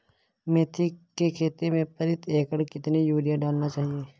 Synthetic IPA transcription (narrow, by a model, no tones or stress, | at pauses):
meːt̪ʰikekʰeːt̪emẽpɐɾɪt̪ʰeːkəɽkɪt̪nijuːɾɪjaɖaːlnat͡ʃaːɦieː